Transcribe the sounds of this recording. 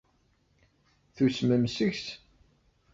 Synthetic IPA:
θusməmsəçs

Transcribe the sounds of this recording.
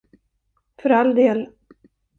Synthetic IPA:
fœɾald̪eːl

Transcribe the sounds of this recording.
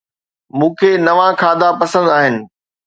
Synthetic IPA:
mũːkʰeːnɐʋãkʰãːd̪apɐsə̃nd̪aːɦɪnɪ̆

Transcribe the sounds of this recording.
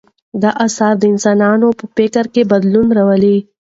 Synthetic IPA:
d̪aʔasɑɾd̪əɪnsɑnɑnopəpekaɾkebad̪lunɾawəli

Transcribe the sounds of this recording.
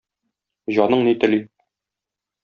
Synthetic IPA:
ʑɒnɤɴnit̪ɘ̆li

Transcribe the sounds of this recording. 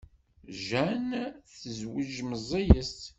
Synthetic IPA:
ʒænθəzwəʒməzˤijəst̪

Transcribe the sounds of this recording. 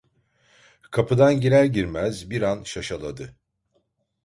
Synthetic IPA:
kʰapɯd̪anɟilæɾɟiɾmæzbiɾanʃaʃalˠad̪ɯ

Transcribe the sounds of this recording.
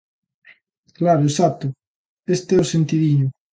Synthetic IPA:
klaɾoesat̪ʊ | est̪eosent̪iðiɲʊ

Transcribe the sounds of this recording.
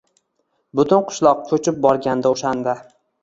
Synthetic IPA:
bʊt̪ʰʊnqʰʊ̥ʃlˠɒq̚kʲʰɵt͡ʃɪp̚bɒɾɡʲand̪aoʃand̪a

